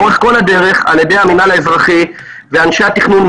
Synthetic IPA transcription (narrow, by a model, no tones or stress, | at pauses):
oʁeχko̞ladeʁe̞χa̰ljede̞jaminalaezʁaχi | veanʃeat̪iχnun